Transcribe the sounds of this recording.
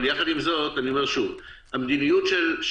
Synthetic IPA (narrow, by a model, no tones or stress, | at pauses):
ljaχad̪imzo̞tanio̞meʁʃuvhamd̪inijutʃelʃ